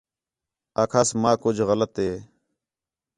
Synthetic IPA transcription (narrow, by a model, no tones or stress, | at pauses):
aːkʰaːsmaːkʊd͡ʒʱɣələt̪ɦeː